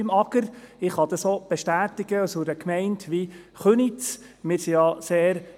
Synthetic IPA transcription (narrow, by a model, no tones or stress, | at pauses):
ɪmɑɡ̥əɾɪχhɑd̪ɑsob̥eʃtæːtɪɡ̥əsoɾəkmɛɪntʰʋi | χønit͡s | mɪɾsijɑseːɾ